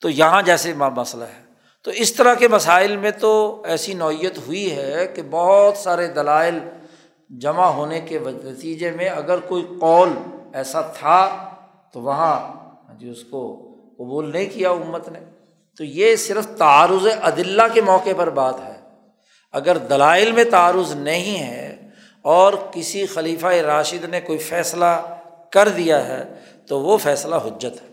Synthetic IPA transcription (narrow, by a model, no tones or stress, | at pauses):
t̪ojɐɦãd͡ʒɛːsemmɐsla̰ɦɛː | t̪oɪst̪əɾakemɐsaːɪlmẽt̪oɛːsinɔːijət̪ɦʊiɦɛkebɐɦʊt̪saːɾed̪ɐlaːɪl | d͡ʒɐmaɦoːnekeʋnɐt̪iːd͡ʒemẽɐɡəɾkoːiqɔːlɛːsat̪ʰa | t̪oʋɐɦã | ɦãd͡ʒiʊsko | qɐbuːlnɐɦĩkijaʊmːət̪ne | t̪ojesɪɾəft̪aaːɾʊzeʔɐd̪ɪlːakemɔːqepɐɾbaːt̪ɦɛː | ɐɡəɾd̪ɐlaːɪlmẽt̪aːɾʊznɐɦĩɦɛ̰ | ɔːɾkɪsixɐliːfaeɾaːʃɪd̪nekoːifɛːsla | kɐɾd̪ijaɦɛ̰ː | t̪oʋofɛːslaɦʊd͡ʒːət̪ɦɛ̥ː